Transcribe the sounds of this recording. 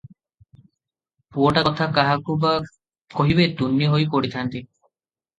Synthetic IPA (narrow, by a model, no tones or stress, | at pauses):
puɔʈaɔt̪ʰakaɦakuba | kɔɦibet̪unːiɦojpɔɽit̪ʰant̪i